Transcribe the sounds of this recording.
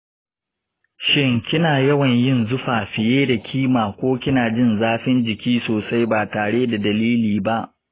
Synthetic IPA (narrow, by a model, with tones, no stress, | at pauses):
ʃɪ˦ŋkʲɪ˦naː˨jɐ˦wɐ˨ɲjɪ˦˨nzʊ˦ɸaː˨ɸɪ˨jeː˦da˨kʲʰiː˦maː˨kʷoː˦kʲɪ˦naː˨d͡ʒɪ˦nzaː˦ɸɪ˦nd͡ʒɪ˨kʲiː˦soː˨sa˦jbaː˨taː˨ɽeː˦da˨dɐ˨liː˦liː˨ba˦ʔ